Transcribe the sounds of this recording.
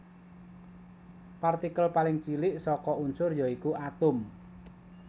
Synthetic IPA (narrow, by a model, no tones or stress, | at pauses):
part̪ikəlpalɪŋt͡ʃilɪʔsɔkɔuɲt͡ʃʊrjɔikuat̪ʊm